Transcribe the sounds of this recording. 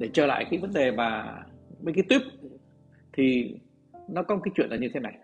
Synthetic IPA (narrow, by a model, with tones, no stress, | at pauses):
ɗe˧˩t͡ɕəː˧˩la̰ː˧˨jkaː˨˦jvə˨˦nɗe˨˩maː˨˩ɓəː˨˦jkaː˨˦jt̪wi˦˥p̚ | t̪ʰi˨˩ | nɔ˨˦kɔ˨˦m˨˩kaː˨˦jt͡ɕwḭ˧˨ənlːa˨˩ɲɨ˧t̪ʰe˨˦na˨˩j